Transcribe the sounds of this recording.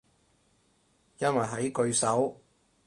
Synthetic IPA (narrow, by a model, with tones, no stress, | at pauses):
jɐ˥nwɐ˨˩jɦɐ˨˥jkɵ˧ɥsɐ˨˥w